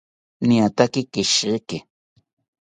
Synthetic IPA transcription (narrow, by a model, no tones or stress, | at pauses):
niat̪akɪkɪʃekɪ